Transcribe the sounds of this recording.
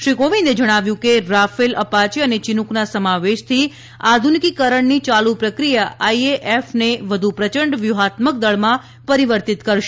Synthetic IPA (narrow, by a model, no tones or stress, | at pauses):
ʃɾikoʋined͡ʒəɽ̃aʋjũkeɾafeləpat͡ʃeənet͡ʃinuknasəmaʋeʃt̪ʰi | ad̪ʱunikikəɾəɳnit͡ʃalupɾəkɾijaʔaieʔefneʋəd̪ʱupɾət͡ʃəɳɖʋjuɦat̪mək̚d̪əɭmã | pəɾiʋəɾt̪it̪kəɾʃe